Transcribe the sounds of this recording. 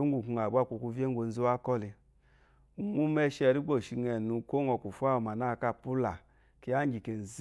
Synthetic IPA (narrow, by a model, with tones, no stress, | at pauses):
o˦ŋ˦u˨ku˧a˨ba˦˨kʷu˨ku˧ve˦ŋ˦ɡʷo˧n̩˦zi˦wa˦kɔ˦li˧ | u˨ŋu˦mɛ˦ʃɛ˧ɾi˦ɡ͡bo˦˨ʃi˧ŋɛ˨nu˧ko˦ŋɔ˧˨ku˨fu˦a˦˨ma˨na˦˨˧ka˦˨pu˦la˨ | ki˧˦a˦d͡ʒi˨ke˨n̩˨z